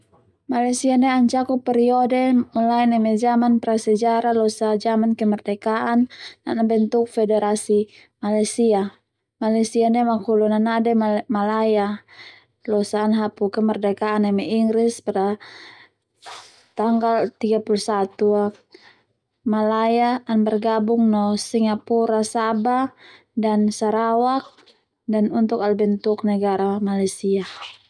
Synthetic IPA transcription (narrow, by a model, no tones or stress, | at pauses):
malajsianɛaɲt͡ʃakupːɛɾiɔdɛmɔlaɛnɛmɛd͡ʒamanpɛɾasɛd͡ʒaɾalɔsad͡ʒamankɛmɔrdɛkaʔanːa̰nabɛnt̪uk̚fɛdɛɾasi | malajsia | malasianɛmakulunanadɛmalaja | lɔsaːnɦapukɛmɛrdɛkaːnamɛiŋɡɾispaɾa | t̪aŋɡalt̪iɡapulusat̪ua | malajaːnbɛrɡabuŋnɔsiŋapuɾasaba | dansaɾawak̚ | danunt̪ukalbɛnt̪uk̚nɛɡaɾamalajsia